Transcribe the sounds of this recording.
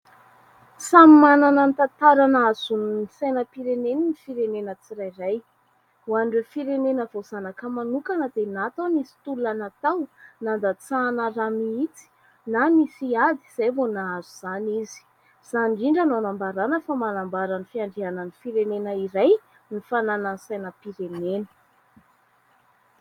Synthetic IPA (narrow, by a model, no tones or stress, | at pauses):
samimananənit̪at̪aɾanaaz̥unisajnəpiɾeneninifiɾenenət͡siɾajraj | uanɖ͡ʐefiɾenenəvoz̥anakəmanukanəd̪̥enat̪anisi̥t̪uluanat̪awnand̪at͡sanəramiit͡si̥ | nanisiad̪i̥z̥ajvonaazuz̥anizi̥ | z̥anɖ͡ʐiɳɖ͡ʐananambaɾanəfamanambaɾanifiaɳɖ͡ʐiananifiɾenenəiɾaj | nifanananisajnəpiɾenenə̥